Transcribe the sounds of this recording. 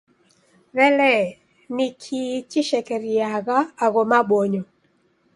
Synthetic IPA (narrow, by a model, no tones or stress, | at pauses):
ɾɛlɛ | nɪkʰit͡ʃɪʃɛkɛɾiaɣaːɣɔmaɓoɲɔ